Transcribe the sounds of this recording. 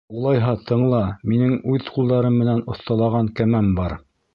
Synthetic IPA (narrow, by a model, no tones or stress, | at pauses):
ulˠɑjɦɑt̪ʰɤ̆ɴlˠɑminɘŋʉðqulˠd̪ɑɾɤmːɘ̆nænŏθt̪ɑlˠɑʁɑŋkæmæmbɑɾ